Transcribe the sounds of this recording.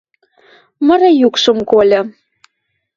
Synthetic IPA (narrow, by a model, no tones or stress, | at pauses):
mə̆ɾɤjukʃɤ̆mkolʲɤ̆